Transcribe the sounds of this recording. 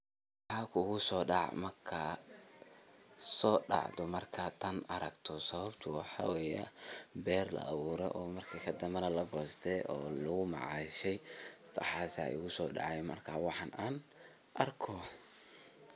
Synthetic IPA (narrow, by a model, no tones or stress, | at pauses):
ħaːkʰʊʊɣʊsɔːɖɑ̰ʕmɐrkʰa | sɔːɖɑ̰ʕd̪ɔmɐrkʰaːt̪ʰɐnɐɾɐɡt̪ʰɔsɐβɐbt̪ʰʊwɑħɑwɛjɛbɛːrlɐ̰ʔːwuːɾɛ̰ʔɔːmɐrkʰikʰɐd̪ɐmɐnɐlɐɡɔːst̪ʰɛɔːlʊɣʊmɑ̰ʕɑʃɛj | t̪ʰɐħɑːsa̰ːʊɣʊsɔːɖɑ̰ʕɑjmɐ̰rkʰaːwɑħɑnaːn | ʔɐrkʰɔ